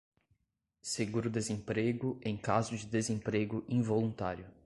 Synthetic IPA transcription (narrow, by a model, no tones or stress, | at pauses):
seɡuɾʊd̪ezẽpɾeɡʊẽj̃kazʊd͡ʒɪd̪ezẽpɾeɡʊʔĩvolũt̪aɾjʊ